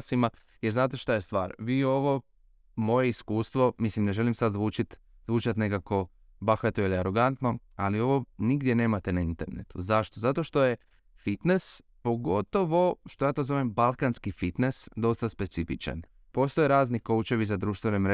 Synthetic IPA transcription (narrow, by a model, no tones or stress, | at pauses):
sima | jeɾznaːt̪eʃt̪ajest̪ʋa̰ːɾʋiːo̞ʋo̞ | mo̞jeiskuːst̪ʋo̞mislimne̞ʒe̞limsad̪zʋuːt͡ʃit̪ | zʋuːt͡ʃat̪ne̞kako̞ | baxat̪oiliaɾo̞ɡant̪no̞ | alio̞ʋo̞niɡd̪je̞ne̞ːmat̪e̞naint̪e̞ɾnḛt̪uzaʃt̪ozat̪o̞ʃt̪o̞je | fit̪nes | po̞ɡo̞t̪o̞ʋo̞ʃt̪ojaːt̪ozoʋembalˠkanskifit̪ne̞sd̪o̞st̪aspe̞t̪sifit͡ʃa̰n | po̞st̪o̞jeɾaːzniko̞ut͡ʃe̞ʋisad̪ɾuːʃt̪ʋenemɾe